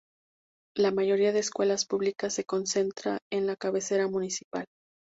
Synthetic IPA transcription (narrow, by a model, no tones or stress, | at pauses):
lamaʝo̞ɾiaðeːskwe̞laspuβlikasːe̞ko̞nse̞nt̪ɾa̰e̞nlakaβe̞se̞ɾamunisipal